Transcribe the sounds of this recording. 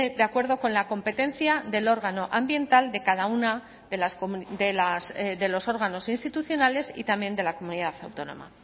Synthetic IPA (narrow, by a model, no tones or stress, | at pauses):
ðeakwe̞ɾðo̞ko̞nlako̞mpe̞t̪ẽ̞nθjaðe̞lo̞ɾɣ̞ano̞ʔambje̞nt̪ald̪e̞kaðauna | ðelasd̪elasðe̞lo̞so̞ɾɣ̞ano̞sinst̪it̪uθjo̞nale̞sḭt̪ambje̞nd̪e̞lako̞muniðaθawt̪o̞no̞̰ma̰